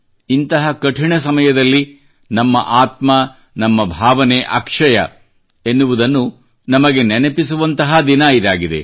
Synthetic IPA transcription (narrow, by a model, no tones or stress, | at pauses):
int̪ɐɦɐkɐʈʰiɳɐsɐmɐjɐd̪ɐlːi | nɐmːɐ̰ʔaːt̪mɐ | nɐmːɐbʱaːʋɐneʔa̰ːkʂɐjɐ̰ | enːuʋud̪ɐnːu | nɐmɐɡe̞nenepisuʋɐnt̪ɐɦɐd̪inɐid̪aːɡid̪e̞̰